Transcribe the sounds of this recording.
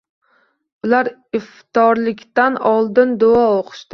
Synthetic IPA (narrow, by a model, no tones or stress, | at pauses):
ʊlaɾɪft̪ɒɾlɪkʲt̪anɒlˠd̪ɪnd̪ʊɒoqʰɨ̥ʃt̪ɪ